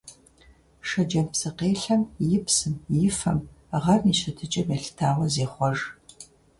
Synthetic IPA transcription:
ʂɐd͡ʒɐmpsɨqeːɬɐmjɪpsɨmjɪfɐmʁɐmiːɕɐtʰɨt͡ʃʼɐmeɬtʰaːʁɐzeːχʷɔʐ

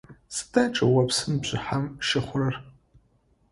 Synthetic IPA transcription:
sdaʈ͡ʂʼawapʰsɨnbʒʷɪ̰ħamʃɪχʷrɨr

